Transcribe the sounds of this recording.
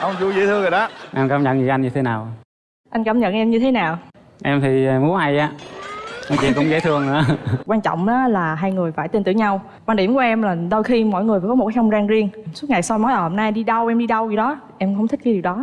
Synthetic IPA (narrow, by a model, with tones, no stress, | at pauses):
ʔə˧wŋ͡mt͡ɕu˧zə˧˦t̪ʰɨ˧əŋzə˨˩ɗa˨˦ʔɛ˧mkaː˧˩mɲə̰˧˨nḭ˨˧˩ʔa˧nɲɨ˧t̪ʰe˨˦naː˨˩w | ʔa˧jŋkaː˧˩mɲə̰˧˨nʔɛ˧mɲɨ˧t̪ʰe˨˦naː˨˩w | ʔɛ˧mt̪ʰi˨˩˧u˨˦ha˧jʔaː˨˦ | nɔ˨˧˦t͡ɕḭ˧˨nkʊ̰˧˥ŋ͡mzə˧˦jt̪ʰɨ˧əŋnɨ̰˧˥əkwaː˧nt͡ɕɔ̰˧˨wŋ͡mʔaː˨˦laː˨˩ɦaː˧jŋɨ˨˩əjfaː˧˩jt̪e˧nt̪ɨ̰˧˩əɲa˧w | kwaː˧nɗi˧˩əmku˧˩əʔɛ˧mlaː˨˩ɗo˧jxi˧mɔ̰˧˨jŋɨ˨˩jfaː˧˨˩kɔ˨˦m˨˩t̚kːxʰŋ͡mzaː˧ŋzi˧əŋsu˦˥t̚ŋa˨˩jsa˧mɔ˨˦jʔaː˨˩ho˨˩mnaː˧jɗi˧ɗə˧wʔɛ˧mɗi˧ɗə˧wzḭ˨ɗɔ˨˦ | ʔɛ˧mxə˧wŋ͡mt̪ʰi̟˦˥kːaː˨˦jɗi˨˩wɗɔ˨˦